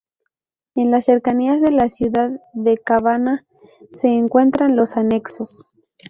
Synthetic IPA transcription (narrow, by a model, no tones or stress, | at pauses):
e̞nlasːe̞ɾkaniazðe̞lasjuðaððe̞kaβana | se̞ːŋkwe̞nt̪ɾanlo̞sane̞kso̞s